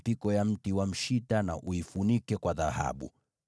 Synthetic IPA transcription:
pikɔjam̩tiwam̩ʃitana̰ʔuifunikɛkwaðaha̰ɓṵ

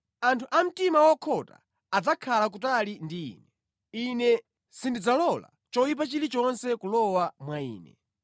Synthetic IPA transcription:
antʰuʔam̩timawɔkʰɔta̰ | ad͡zakʰalak̬utalindḭːnɛ | inɛ | sindid͡zalɔla̰ | t͡ʃɔjip̬at͡ʃilit͡ʃɔnsɛkulɔwamwaḭːnɛ̰

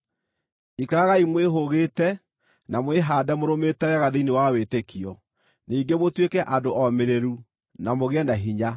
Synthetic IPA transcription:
ikaɾaɣaimweɦoɣeːtɛ | namweɦaːdɛmoɾometɛwɛɣaðiinewawetekʰiɔ | niːŋɡemotwekɛʔadoʔɔmeɾeɾu | namoɣeɛnaɦiɲa

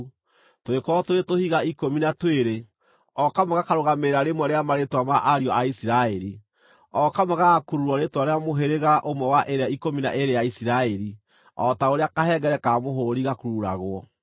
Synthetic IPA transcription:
toekɔtoɾetohiɣaikominatweɾe | ɔkamaɣakaɾoɣameɾaɾemwɛɾeamaɾetwamaʔaɾiɔaisiɾaɛɾi | ɔkamaɣakuɾuɾɔɾetwaɾeamoɦeɾeɣaʔomwɛwaʔeɾeaikomina̰ʔeɾejaisiɾaɛɾi | ɔtaoɾeakaɦɛɡɛɾɛkamoɦoɾiɣakuɾuɾa̰ɣwɔ

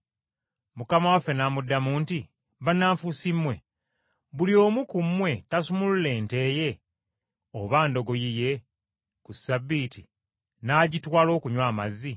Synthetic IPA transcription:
mukamawafe̞namudːamuːnti | βanːaːɱfusimːwe̞ | βulio̞ːmukumːwe̞tasumulle̞ːnte̞ːje̞ | oβaːndo̞ɡo̞jije̞ | kusabːiti | naːɟitwaːlo̞ːkuɲwaːmazi

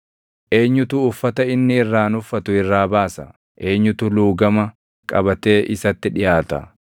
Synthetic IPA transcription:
ʔe̞ːɲːʊt̪uːfːɐt̪ɐɪnːɪɪrːaːnʊfːɐt̪ʊɪrːaːbaːsɐ̰ | ʔe̞ːɲːʊt̪ʊluːɡɐmɐ | kʼɐbɐt̪e̞ːʔɪsɐt̪ːɪᶑɪjaːt̪ɐ̰

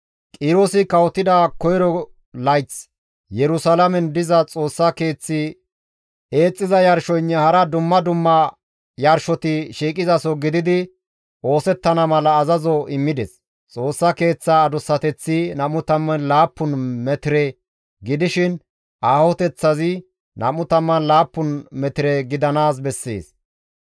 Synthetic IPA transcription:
kʼɪɾosɪkɐwt̪ːɪd̪ɐkɔjɾɔ | lɐjt͡s | jɛɾʊsɐlɐmɛnd̪ɪzɐt͡sʼo̞ːsːɐke̞ːt͡sːɪ | e̞ːt͡sʼːɪzɐjɐɾʃɔjnːɛhɐɾɐd̪ʊmːɐd̪ʊmːɐ | jɐɾʃɔt̪ɪʃiːkʼɪzɐsɔɡɪd̪ɪd̪ɪ | ʔo̞ːsɛt̪ːɐnɐmɐlɐːzɐzɔɪmːɪd̪ɛs | t͡sʼo̞ːsːɐke̞ːt͡sːaːd̪ʊsːɐt̪ɛt͡sːɪnɐmʊt̪ɐmːɐnlaːpːʊnmɛt̪ɪɾɛ | ɡɪd̪ɪʃɪn | ʔaːhɔt̪ɛt͡sːɐzɪ | nʔɐ̰mʊt̪ɐmːɐnlaːpːʊnmɛt̪ɪɾɛɡɪd̪ɐnaːs̬bɛsːḛːs

